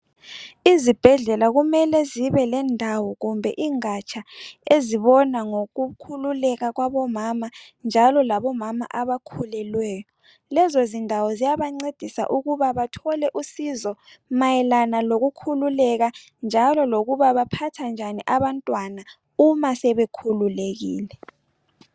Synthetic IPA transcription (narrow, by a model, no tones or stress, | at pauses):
izib̥ʱɛɮɛlaɣumɛlɛziβɛlɛndʱawɔɣumbʱɛ̰ʔiŋat͡ʃʰaeziβɔnaŋoɣukʰululɛɣaɣwaβɔmama | nd͡ʒʱalɔlaβɔmama̰ʔaβakʰulɛlwɛːjɔ | lɛzozindʱawɔzijaβaŋ͡ǀed̥ʱisa̰ʔuɣuβaβatʰɔlɛʔusizɔ | majɛlanaloɣukʰululɛɣa | nd͡ʒʱalɔloɣuβaβapʰatʰand͡ʒʱaniʔaβantʼwana | umasɛβekʰululeɣḭːlɛ